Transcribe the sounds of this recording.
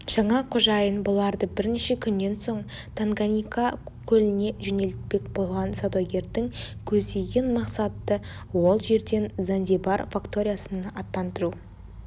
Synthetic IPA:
ʒ̥ɑɴɑqʰoʒɑjənbʊlˠɑɾd̪əbɪɾneʃekʲʰʏnːe̞nso̞ɴ | t̪ʰaŋɡanʲijkakʲʰɵlɪne̞ʒɵne̞lt̪̚pe̞kbo̞lˠʁɑnsad̪oɡʲe̞ɾt̪ɪŋkʲʰɵzd̪e̞ɡʲe̞nmɑqsɑt̪ːə | wo̞lˠʒe̞ɾd̪e̞nzand̪ʲebarfakt̪o̞ɾʲijasənɑt̪ːɑnt̪əɾu

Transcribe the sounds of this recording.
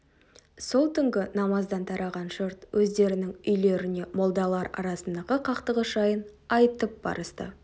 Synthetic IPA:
so̞lˠt̪ʰʏŋɡʲɪnɑmɑzd̪ɑnt̪ʰɑɾɑʁɑnʒəɾt̪wʔɵzd̪e̞ɾɪnɪŋʏjle̞ɾɪne̞mo̞lˠd̪ɑlˠɑɾɑ̰ɾɑsənd̪ɑʁəqʰɑqt̪əʁəʒɑjənɑjt̪əp̚bɑ̰ɾəst̪ə̰

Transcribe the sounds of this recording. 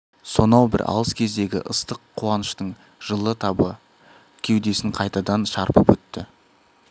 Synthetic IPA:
so̞nɑwbɪ̰ɾʔɑ̰əskʲʰe̞zd̪e̞ɡʲɪ̰ʔəst̪əqʰːuɑnəʃt̪əɴ | ʒ̥əlˠət̪ʰɑbə | kʲʰe̞wd̪e̞sɪŋqʰɑjt̪ɑd̪ɑnʃɑɾpəpwɵt̪ːɪ

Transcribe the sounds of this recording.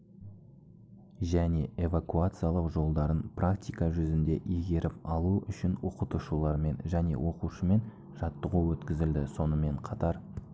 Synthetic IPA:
ʒæne̞e̞vakuat̪sɨjalˠəqʒo̞lˠd̪ɑɾənprakt̪ʲijkɑʒʏzɪnd̪e̞ʔeɡʲe̞ɾʔɪpɑlˠuʔʏʃɪnwo̞̰qət̪uʃulˠɑɾme̞nʒæne̞̰wʔo̞quʃəme̞n | ʒɑt̪ːəʁuwɵt̪kʲɪzɪld̪ɪso̞nəme̞ɴqʰɑt̪ɑɾ

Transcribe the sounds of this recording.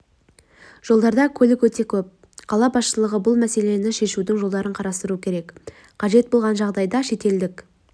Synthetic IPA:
ʒ̥o̞lˠd̪ɑɾd̪ɑkʲʰɵlɪkwɵt̪e̞kʲʰɵp̚ | qʰɑlˠɑbɑsʃəlˠəʁəbʊlˠmæse̞le̞nɪʃe̞ʃud̪ɪŋʒo̞lˠd̪ɑɾəɴqʰɑɾɑst̪əɾuəkʲʰe̞ɾe̞k | qʰɑʒe̞t̪̚bo̞lˠʁɑnʒɑʁd̪ɑjd̪ɑʃe̞t̪e̞ld̪ɪk

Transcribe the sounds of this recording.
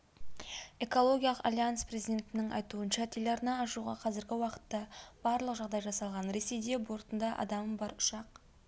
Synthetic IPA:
e̞ko̞lˠo̞ɡʲijɑlˠəqa̰lʲianspre̞zijd̪ʲe̞nt̪ɪnɪŋʔɑ̰jt̪uənʃɑt̪ʲʰelʲɑɾnɑːʃuʁɑ̰qʰɑzɪɾɡʲɪwɑqə̥t̪ːɑb̥ɑɾlˠəqʒɑʁd̪ɑjʒɑsɑlˠʁɑnɾe̞se̞jd̪e̞bo̞ɾt̪ənd̪ɑʔɑ̰d̪ɑməbɑɾʊ̥ʃɑq

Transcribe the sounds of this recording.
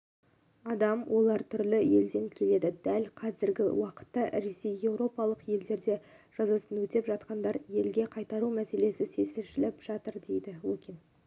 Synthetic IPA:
ɑd̪ɑmwʔo̞lˠɑɾt̪ʰʏɾlɪje̞ld̪e̞ŋkʲʰe̞le̞d̪ɪd̪ælqʰɑzɪɾɡʲɪ̰wɑqə̥t̪ːɑɾe̞sejje̞wɾo̞pɑlˠəqje̞ld̪e̞ɾd̪e̞ | ʒ̥ɑzɑsənɵt̪epʒɑt̪̚qɑnd̪ɑɾje̞lɡʲe̞qʰɑjt̪ɑɾumæse̞le̞sɪse̞sɪɾʃɪlɪpʒ̥ɑt̪əɾd̪e̞jd̪ɪwukʲin

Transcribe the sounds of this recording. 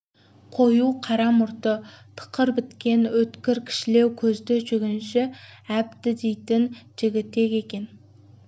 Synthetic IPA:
qʰo̞juqʰɑɾɑmʊɾt̪ət̪ʰə̥qəɾbɪt̪kʲe̞nwɵt̪kʲɪɾkʲʰɪ̥ʃɪle̞wkʲʰɵzd̪ɪʒʏɡʲɪnʃɪæp̚t̪ɪd̪ejt̪ɪnʒ̥ɪɡʲɪt̪ːe̞kʲe̞kʲe̞n

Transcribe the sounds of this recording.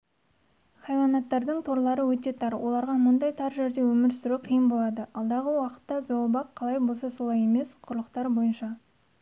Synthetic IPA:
χɑjwɑnɑt̪ːɑɾd̪əɴt̪ʰo̞ɾlˠɑɾəwɵt̪e̞t̪ʰɑɾwʔo̞lˠɑɾʁɑmʊnd̪ɑjt̪ʰɑɾʒe̞ɾd̪e̞wɵmɪɾsɪɾuqʰijəmbo̞lˠɑd̪əɑlˠd̪ɑʁəwɑqə̥t̪ːɑzolˠbɑqqʰːɑlˠɑjbo̞lˠsɑso̞lˠɑje̞me̞sqʰʊɾlˠəqt̪ɑɾbo̞jənʃɑ

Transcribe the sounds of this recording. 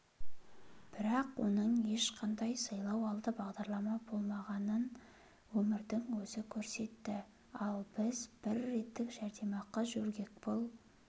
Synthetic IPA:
b̥ɪɾɑqwo̞̰nəɴje̞ʃqʰɑnd̪ɑjsɑjlˠɑwɑlˠd̪əbɑʁd̪ɑɾlˠɑmɑbo̞lˠmɑʁɑnən | wɵmɪɾd̪ɪŋwɵzɪkʲʰɵɾse̞t̪ːɪ | ɑlˠb̥ɪzb̥ɪɾːe̞t̪ːɪkʒ̥æɾd̪e̞mɑqɑʒɵɾɡʲe̞k̚bolˠ

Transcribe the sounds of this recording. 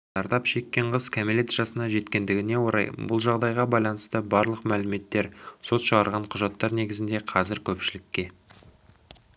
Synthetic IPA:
ɑɾd̪ɑpʃe̞kʲːe̞ɴʁəzkʲʰæmelet̪ʒ̥ɑsənɑʒe̞t̪kʲe̞nd̪ɪɡʲɪne̞wo̞ɾɑ̰jbʊlˠʒɑʁd̪ɑjʁɑbɑjlˠɑnəst̪əbɑɾlˠəqmælɪme̞t̪ːe̞ɾso̞t̪ʃəʁɑɾʁɑɴqʰʊʒɑt̪ːɑɾne̞ɡʲɪzɪnd̪e̞qʰɑzɪɾkʲʰɵpʃɪlɪkʲːe̞

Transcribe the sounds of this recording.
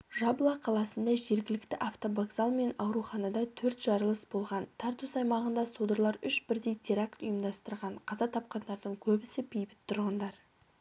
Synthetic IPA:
ʒɑblˠɑqʰɑlˠɑsənd̪ɑʒe̞ɾɡʲɪlɪkt̪ɪʔaft̪o̞baɡzɑlˠme̞nɑwɾuχɑnɑd̪ɑt̪ʰɵɾt̪ʒ̥ɑɾəlˠəsbo̞lˠʁɑnt̪ʰɑɾt̪usɑjmɑʁənd̪ɑsod̪əɾlˠɑɾʏʃbɪɾd̪e̞jt̪ʲʰeɾakt̪ʊjəmd̪ɑst̪əɾʁɑɴqʰɑzɑt̪ʰɑp̚qɑnd̪ɑɾd̪əɴkʲʰɵbɪsɪpʰʲejbɪt̪ʰːʊɾʁənd̪ɑɾ

